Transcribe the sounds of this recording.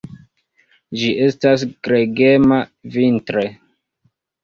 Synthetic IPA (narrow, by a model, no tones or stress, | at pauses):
d͡ʒiʔe̞stasɡ̥ɾeɡemavintɾe